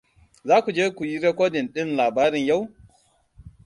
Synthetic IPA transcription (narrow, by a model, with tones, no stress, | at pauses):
zaː˦kʷu˨d͡ʒeː˦kʷu˨ji˦ɾɛ˦kʷoː˦dɪ˨nɗɪ˦nlaː˨baː˦ɾɪ˨ɲja˦w